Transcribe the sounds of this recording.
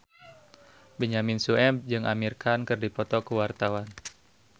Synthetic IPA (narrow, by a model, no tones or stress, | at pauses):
beɲaminsuɛd͡ʒɨŋʔamirkʰankɨrdipɔt̪ɔkəwart̪awan